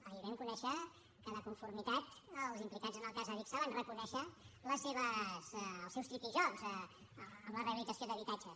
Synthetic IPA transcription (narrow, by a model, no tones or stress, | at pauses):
əiβɛŋkunɛʃə | kəðəkuɱfurmit̪at̪əlˠzimplikad͡zənəlˠkazəβiksaβanrəkunɛʃələsːeβəzːlˠsɛwst̪ɾipiʒɔkzəː | mləreəβilid͡zəsioðəβit̪ad͡ʒə